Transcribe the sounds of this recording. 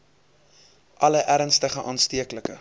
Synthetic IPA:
ʔɐləʔæɾənstəχəʔɑːnstiəkləkə

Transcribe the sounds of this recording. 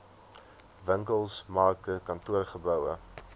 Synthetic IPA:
vəŋkəlˠsmɑːktəkɐntuərχəbœwə̰

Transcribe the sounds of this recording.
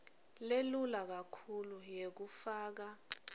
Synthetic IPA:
lelulak̬akʰulujek̬ufaːk̬a

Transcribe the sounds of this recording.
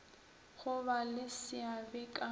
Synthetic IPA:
ɣʊβalɪsɪabɪkʼa

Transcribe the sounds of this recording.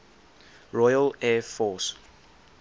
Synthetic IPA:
ɹɔjəlɛfɔs

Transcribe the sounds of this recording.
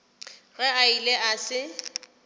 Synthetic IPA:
ɣɛaileasɪ

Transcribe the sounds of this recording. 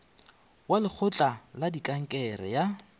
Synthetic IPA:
walɪk͡xʰʊt͡ɬʼaladikʼaŋ̩kʼɛrɛ̰ja

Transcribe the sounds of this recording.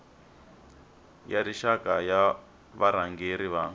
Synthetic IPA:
jaɾiʃakaja | βaɾaŋɡeɾiβaːŋ

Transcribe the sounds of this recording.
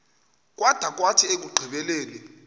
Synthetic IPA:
k̬ʼwad̥ʱak̬ʼwatʰiek̬ʼuɡ͡ǃʱiɓɛlɛːlɛ

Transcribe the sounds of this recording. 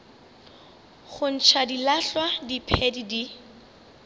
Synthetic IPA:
χʊn̩t͡ʃʰadilaɬwadipʰɛdidi

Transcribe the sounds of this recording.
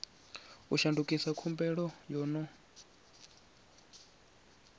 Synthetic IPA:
uʃandukʼisakʰumbɛɺɔjɔːnɔ

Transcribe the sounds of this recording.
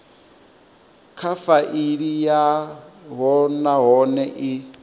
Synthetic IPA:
kʰafaʔiɺijaɦɔnaɦɔnɛʔi

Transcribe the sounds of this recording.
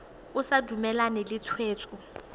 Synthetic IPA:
ʊsadʱumɛlanelɪt͡sʰweːt͡sʼʊ

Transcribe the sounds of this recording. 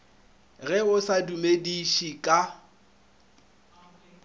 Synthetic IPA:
ɣɛʊsadumediʃikʼa

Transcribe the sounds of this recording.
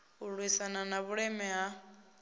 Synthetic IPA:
uɺwisananaβuɺɛmɛɦa

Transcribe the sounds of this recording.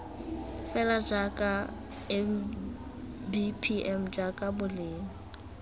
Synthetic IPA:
fɛlad͡ʒakʼa | ɛm | bipʰiʔɛm̩d͡ʒakʼabʊleːŋ̩

